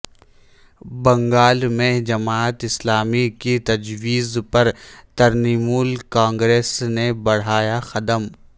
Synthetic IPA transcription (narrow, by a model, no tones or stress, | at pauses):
bɐ̃ŋɡaːlmẽd͡ʒɐmaːət̪ɪslaːmikit̪ɐd͡ʒwiːzpɐɾt̪ɐɾniːmuːlkãːŋɡɾeːsnebɐɽ̤aːjaxɐd̪əm